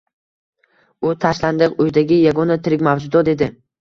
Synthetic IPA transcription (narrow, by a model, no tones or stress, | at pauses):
ʊt̪ʰaʃland̪ɪqʊjd̪aɡʲɪjaɡɒnat̪ʰɪɾɪkʲmavd͡ʒʊd̪ɒd̪e̞d̪ɪ